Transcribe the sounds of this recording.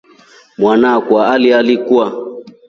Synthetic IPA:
mwanakwaalialikua

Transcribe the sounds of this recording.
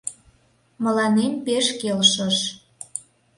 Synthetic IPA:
mə̆lɑnempeʃkelʃəʃ

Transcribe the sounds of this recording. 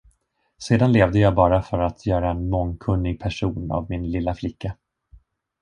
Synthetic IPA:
seːd̪anleːvd̪əjɑːɡbɑːɾafœɾat̪ʰjœːɾaɛnmɔŋːkʰɵnːɪɡ̚pʰæʂuːna̰vmɪnlɪlːaflɪkːa

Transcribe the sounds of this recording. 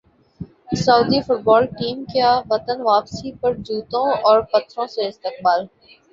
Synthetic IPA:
sɐːd̪ifʊʈ̚bɔːlʈiːmkjaʋɐt̪ənʋaːpsipɐɾd͡ʒuːt̪õɔːɾpɐt̪ɾõseɪst̪ɪk̚baːl

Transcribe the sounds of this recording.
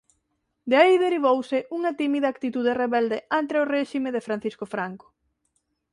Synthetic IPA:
d̪eaiðeɾiβ̞owsɪʔuŋɐt̪imiðak̚t̪it̪uðereβɛld̪eant̪ɾeʊreʃimeðefɾan̟θiskofɾaŋko̥

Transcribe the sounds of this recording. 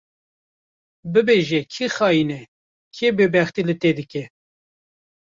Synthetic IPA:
bɨbeʒɛkʰixɑːjinɛ | kʰebebɛxt̪ilɨt̪ed̪ɨkʲɛ

